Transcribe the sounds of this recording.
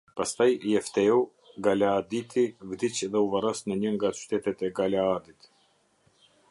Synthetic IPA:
past̪ajjɛft̪ɛu | ɡalaːd̪it̪ʰivd̪it͡ʃɛðɛuvarɔsnəɲəŋɡat͡ʃy̥t̪ɛt̪ɛt̪ɛɡalaad̪it̪

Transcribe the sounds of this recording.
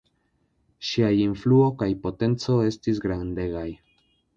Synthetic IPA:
ʃiajinfluo̞kajpo̞te̞nt͡so̞e̞stis̬ɡɾande̞ɡaj

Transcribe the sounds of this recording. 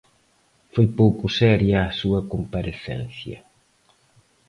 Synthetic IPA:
fojpowkʊsɛɾjaːsuɐkompaɾeθɛ̰n̟θjɐ̰

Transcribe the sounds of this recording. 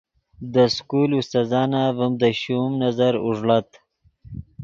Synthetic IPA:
d̪əskulust̪azɑːnavəmd̪əɕumnazaɾuʐlat̪

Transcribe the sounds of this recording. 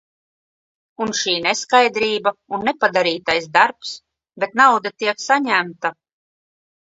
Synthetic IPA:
unʃiːnɛskajd̪ɾiːbaunːɛpad̪aɾiːt̪ajsd̪aɾps | bet̪nawd̪at̪iɛksaɲæmt̪a

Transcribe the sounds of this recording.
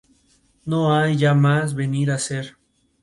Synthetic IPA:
noajʝamazβe̞niɾaseɾ

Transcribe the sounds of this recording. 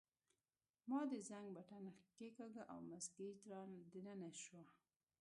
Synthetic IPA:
mɑd̪əzaŋɡbaʈanaxkekaɡaʔa̰wmazɡit̪ɾɑnd̪ənənaʃwa

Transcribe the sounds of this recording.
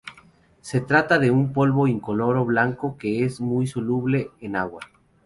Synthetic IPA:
se̞t̪ɾat̪aðe̞umpo̞lβo̞iŋko̞lo̞ɾo̞βlaŋko̞ke̞ezmujso̞luβle̞ːnaɣwa

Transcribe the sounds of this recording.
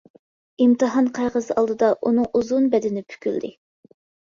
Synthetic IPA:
imt̪ɨɦɑnqʰɑjʁəzɑlˠd̪ɨd̪ɑʔunɨŋuzunbɛd̪ɪnɪpʰy̥kʲyld̪ɪ

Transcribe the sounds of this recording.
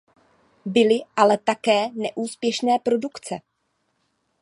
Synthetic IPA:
bɪlɪʔalɛt̪akɛːnɛʔuːspjɛʃnɛːpɾo̞dukt͡sɛ̰

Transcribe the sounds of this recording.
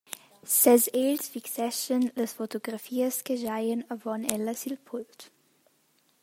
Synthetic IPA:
sɛzelsfiksɛʃənləsfotoɡʁafiːəsɡ̥əʒaɪənəvɔnɛlɐsilpʰʊlt

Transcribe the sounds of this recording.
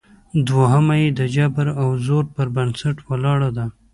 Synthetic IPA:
d̪waɦəmajed̪əd͡ʒabaɾawzoɾpəɾbansaʈwəlɑɽad̪a

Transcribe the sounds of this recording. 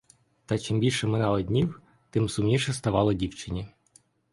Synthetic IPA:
t̪at͡ʃimbʲilʲʃɛmɪnɑlˠɐdʲnʲiw | t̪ɪmsʊmnʲiʃɛst̪ɐʋɑlˠɐdʲiwt͡ʃɪnʲi

